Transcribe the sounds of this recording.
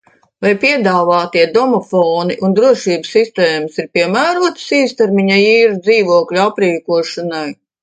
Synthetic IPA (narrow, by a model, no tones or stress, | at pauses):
vajpʲiɛd̪aːvaːt̪iɛd̪ɔmɔfɔːniʔund̪ɾuɔʃiːbsːist̪eːmɐsiɾpʲiɛmæːɾuɔt̪ə̥siːst̪ɛɾmiɲaiːɾud̪ziːʋuɔklʲuapɾiːkuɔʃanaj